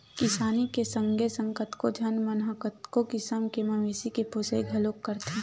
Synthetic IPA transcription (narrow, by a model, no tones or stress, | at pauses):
kɪsaːnikesə̃ŋɡʱesə̃ŋkət̪kod͡ʒʱɐnmɐnɦəkət̪kokɪsəmkemɐmeːsikepʰoseiɡʱɐloːkːəɾt̪ẽ